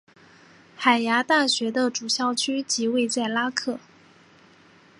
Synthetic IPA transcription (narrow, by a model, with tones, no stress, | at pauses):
xa˨˩ɪja˧˥t̪a˥˩ɕɥɛ˧˥d̪ə˧ʈ͡ʂu˨˩ɕjɑ˥˩ʊt͡ɕʰy˥t͡ɕi˧˥we˥˧ɪt͡sa˥˩ɪla˥kʰɤ˥˩